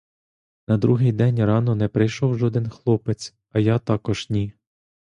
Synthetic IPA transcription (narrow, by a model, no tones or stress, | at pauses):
nɐd̪ɾuɦɪjd̪ɛnʲɾɑnɔnɛpɾɪjʃɔwʒɔd̪ɪnxlˠɔpet͡sʲ | ɐjɑt̪ɑkɔʒnʲi